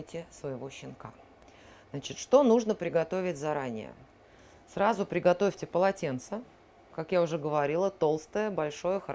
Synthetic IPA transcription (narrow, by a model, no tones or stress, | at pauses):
tʲɪsvəjɪvo̞ɕːɪnka̰ | znat͡ɕɪt̪ʂt̪o̞nuʐnəpɾʲɪɡɐt̪o̞vʲɪtʲzɐɾanʲɪ̰jə̰ | srazʊpɾʲɪɡɐt̪o̞fʲtʲɪpəlˠɐtʲe̞nt̪sə | kakjaʊʐɛɡəvɐɾʲilˠət̪o̞lˠst̪əjəbɐlʲʂo̞jəxə